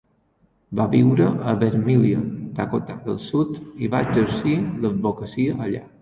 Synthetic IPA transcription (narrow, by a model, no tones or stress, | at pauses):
baβiwɾəʔəβeɾmiliət̪akot̪aðəlˠsut̪iβaəd͡ʒəɾsiləd̪̚bokəsiəʔːʎa̰